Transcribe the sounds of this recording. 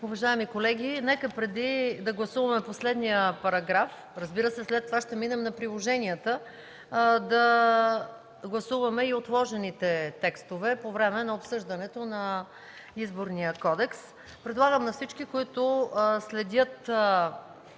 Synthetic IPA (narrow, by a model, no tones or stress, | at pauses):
ʊvɐʒaɛmikolɛɡʲinɛkəpɾɛd̪id̪ɐɡlˠɐsuvɐmɛposlɛd̪nijəpɐɾɐɡɾaf | ɾɐzbiɾəsɛslɛt̪ːovaʃt̪ɛminɛmnɐpɾilˠoʒɛniət̪ə | d̪ɐ | ɡlˠɐsuvɐmɛiot̪lˠɔʒɛnit̪ɛt̪ɛkst̪ovɛpovɾɛmɛnɐopsɤʒd̪ɐnɛt̪onɐ | izboɾnijəkɔd̪ɛks | pɾɛd̪lˠaɡəmnɐfsit͡ʃkikoit̪ʊslɛd̪ʲət̪